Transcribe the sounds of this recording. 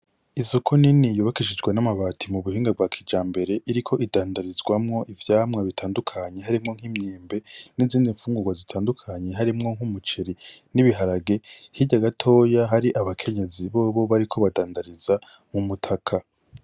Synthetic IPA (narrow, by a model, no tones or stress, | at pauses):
izo̞kʰoninijuβakiʃid͡ʒɡwanamaβaːtʰimuβuhiːŋɡab̚ɡwaːkʰid͡ʒaːmbe̞ɾe̞ʔiɾikʰo̞ʔidaːndaɾizɡwamŋo̞ʔivjaːmŋaβitʰaːndukʰaɲe̞ɦaɾimŋo̞ŋ̥hiːmɲiːmbe̞niziːndiɱfuːŋɡuɡwazitʰaːndukʰaɲe̞ɦaɾimŋo̞ŋ̥humut͡ʃeɾiniβiɦaɾaɡe̞hiɟaɡatʰo̞ːjaɦaɾiʔaβakʰe̞ɲe̞ziβoːβo̞βaɾikʰo̞βadaːndaɾiza | mumutʰakʰa